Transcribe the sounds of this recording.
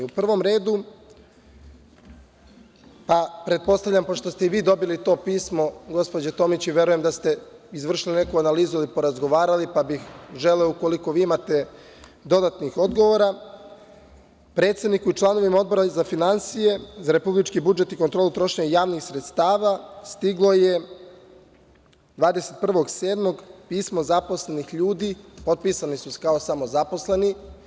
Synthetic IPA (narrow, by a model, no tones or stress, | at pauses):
upr̩ʋo̞mɾe̞ːd̪u | papɾe̞t̪̚po̞st̪avʎʲampo̞ʂt̪o̞st̪eiʋiːd̪o̞bilit̪o̞ːpiːsmo̞ɡo̞spo̞d͡ʑet̪o̞mit͡ɕiʋe̞ɾuje̞md̪ast̪e̞izʋr̩ʃiline̞kuanaliːzuilipo̞ɾazɡo̞ʋaːɾalipabixʒe̞leouko̞liko̞ʋiːimat̪e̞ | d̪o̞d̪at̪nixo̞d̪ɡoʋoɾa | pɾet̪sed̪nikuit͡ʃlˠaːno̞ʋimao̞d̪bo̞ɾazafinansije̞zaɾe̞publit͡ʃkibud͡ʒe̞t̪ikot̪ɾoːlˠut̪ɾo̞ʃeɲejaːʋnixsɾet̪st̪aːʋast̪iɡlˠo̞je̞ | d̪ʋaːd̪ese̞t̪̚pr̩ʋo̞ɡseːd̪mo̞ɡpiːsmozaposle̞nixʎuːd̪ipo̞t̪̚piːsanisuse̥kaosamo̞zapo̞sle̞ni